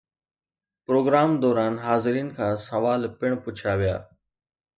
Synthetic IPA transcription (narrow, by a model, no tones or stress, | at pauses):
pɾoːɡɾaːmd̪ɔːɾaːnɦaːzɪɾiːnkʰãːsɐʋaːlpɪɽ̃pʊt͡ɕʰaʋija̰ː